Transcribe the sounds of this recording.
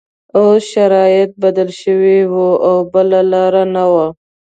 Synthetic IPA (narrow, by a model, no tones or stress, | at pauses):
osʃaɾɑjɪt̪̚bad̪əlʃəwiwoʔawbəlalɑɾanawa